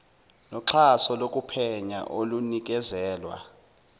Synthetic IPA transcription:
lɔǁʰasɔlokʼupʰɛɲa̰ʔolunik̬ʼɛzɛːlwa̰

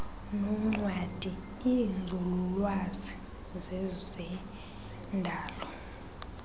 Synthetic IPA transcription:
nɔŋ͡ǀwad̥ʱi | iŋʱululwazi | zɛzɛ | ndʱaːlɔ

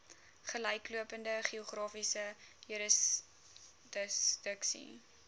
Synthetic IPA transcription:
χəlɛjkluəpəndəχiuχrɑːfisəjyɾəs | dəsd̥əksḭ

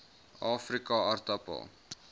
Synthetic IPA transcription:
ɑːfrikɐɐrtɐpə̰lˠ

